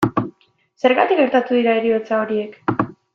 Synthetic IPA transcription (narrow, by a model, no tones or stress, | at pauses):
se̞ɾɣat̪ikɡe̞ɾt̪at̪uðiɾaeɾio̞t͡sao̞ɾie̞k